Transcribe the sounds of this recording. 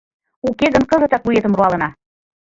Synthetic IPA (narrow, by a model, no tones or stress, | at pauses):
ukeɣənkɤ̆zɤ̆t̪ɑkujet̪ə̆mruɑlɤ̆nɑ